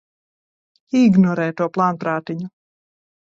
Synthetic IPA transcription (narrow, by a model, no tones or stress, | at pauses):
iɡnɔɾɛːt̪uɔplˠaːnpɾaːt̪iɲu